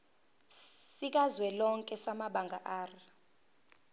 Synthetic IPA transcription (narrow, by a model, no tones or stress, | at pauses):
sik̬ʼazwɛlɔŋkʼɛsamaɓaŋɡʱaʔaːri